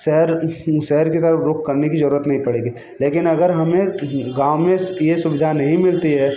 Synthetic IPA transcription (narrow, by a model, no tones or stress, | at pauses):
ʃɛɦəɾʃɛɦəɾkit̪ɐɾəfɾʊkʰkɐɾnekizɐɾuːɾət̪nɐɦĩpɐɽeːɡiː | leːkɪnɐɡəɾɦɐmẽɡãːʋwmẽjesʊʋɪd̪ʱanɐɦĩmɪlt̪iɦɛː